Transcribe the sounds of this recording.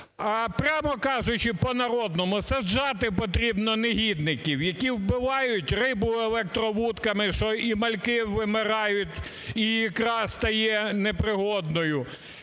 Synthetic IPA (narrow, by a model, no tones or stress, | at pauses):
ɐpɾʲɑmɔkɑʒʊt͡ʃɪpɔnɐɾɔd̪nɔmʊsɐd͡ʒɑt̪ɪpɔt̪ɾʲibnɔneɦʲid̪nɪkʲiwjɐkʲiwbɪʋɑjʊtʲrɪbʊelˠɛk̚t̪ɾɔʋut̪kɐmɪʃɔimɐlʲkɪʋːɪmɪɾɑjʊtʲ | ijɐkɾɑst̪ɐjɛnepɾɪɦɔd̪nɔjʊ